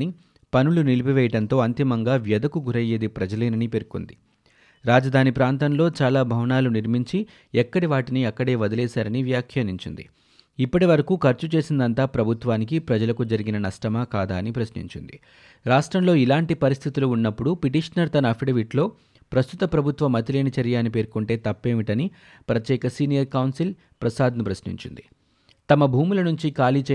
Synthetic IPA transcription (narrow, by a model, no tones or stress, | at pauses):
ni | pɐnulunilipiʋɛːjɐʈɐnt̪o̞ːɐnt̪imɐŋɡaːʋjɐd̪ɐkuɡʱuɾɐje̞ːd̪ipɾɐd͡ʒɐlɐːnɐnipe̞ɾko̰nd̪i | ɾaːd͡ʒɐd̪ʱaːnipɾaːnt̪ɐnlo̞ːt͡ʃaːlaːbʱɐʋɐnaːluniɾmiɲt͡ʃi | ɛkːɐɽiʋaːʈiniɐkːɐɽe̞ːʋɐd̪ɐlɛːsaːɾɐniʋjaːkʰjɐniɲt͡ʃind̪ḭ | ipːɐʈiʋɐɾɐkuːkʰɐɾt͡ʃut͡ʃe̞ːsind̪ɐnt̪aːpɾɐbʱut̪ʋaːnikipɾɐd͡ʒɐlɐkud͡ʒɐɾiɡinɐnɐsʈɐmaːkaːd̪aːnipɾɐsnḭɲt͡ʃḭnd̪i | ɾaːʂʈɾɐmlo̞ːilaːɳʈipɐɾist̪ʰit̪uluːnːɐpːuɽupiʈiːʂɐnɐɾt̪ɐnɐpʰiɽɐʋiʈlo̞ː | pɾɐst̪ut̪ɐpɾɐbʱut̪ʋɐmɐt̪ileːnit͡ʃɐɾjaːnipe̞ːɾkuɳʈe̞ːt̪ɐpːe̞ːʋiʈɐni | pɾɐt̪jɛːkɐsiːnijɐɾkɐwnsil | pɾɐsaːd̪ʱnɐpɾɐsnḭɲt͡ʃḭnd̪i | t̪ɐmɐbʱuːmulɐnuɲt͡ʃikaːliːt͡ʃe